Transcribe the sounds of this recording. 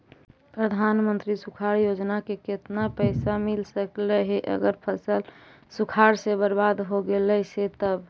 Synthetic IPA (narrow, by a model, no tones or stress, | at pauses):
pɾəd̪ʱanmənt̪ɾisukʰaɾjod͡ʒnakeket̪napəɪsamilsəkleɦeʔə̰ɡəɾpʰəsəl | sukʰaɾsebəɾbad̪ɦoɡeləset̪əb